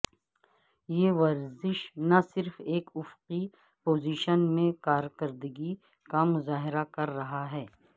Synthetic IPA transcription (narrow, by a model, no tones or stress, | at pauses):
jeːʋɐɾzɪʃnasɪɾfeːkʊfqi | poːziːʃənmẽkaːɾkɐɾd̪əɡi | kamʊzaːɦɪɾakɐɾːɐɦaɦɛː